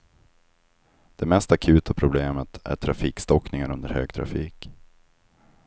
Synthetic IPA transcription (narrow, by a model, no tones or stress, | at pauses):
d̪̥ɛmɛst̪akʰʉ̟ːt̪ʰapʰɾʊbleːmət̪æ̰ʈʰɾafiːkst̪ɔknɪŋaɾɵnd̪əɾhøːɡ̚t̪ʰɾa̰fiːk